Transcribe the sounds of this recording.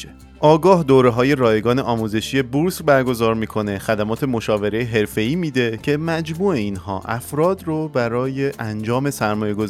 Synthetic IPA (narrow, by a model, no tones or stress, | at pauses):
e | ʔɒːɡɒːhd̪oːɾe̞ɦɒːje̞ɾɒːjeɡɒːne̞ʔɒːmuːze̞ʃije̞buɾsbæɾɡo̞zɒːɾmiːkʰo̞ne̞xæd̪æmɒːt̪ʰe̞mo̞ʃɒːve̞ɾe̞jeɦe̞ɾfe̞iːmiːd̪e̞cʰe̞mæd͡ʒmuːe̞inhɒ̰ːʔæfɾɒːd̪robæɾɒːjeʔænd͡ʒɒːme̞sæɾmɒːje̞ɡoz